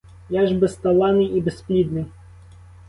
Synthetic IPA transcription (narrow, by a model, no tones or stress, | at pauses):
jaʐbɛst̪ɐlˠanɨibɛsplʲid̪nɨ